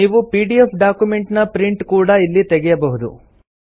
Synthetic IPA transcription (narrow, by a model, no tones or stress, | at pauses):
niːʋupiːɖiepɖaːkjumeɳʈnɐpɾiɳʈkuːɽɐilːit̪ɛɡɛjɐbɐɦud̪ṵ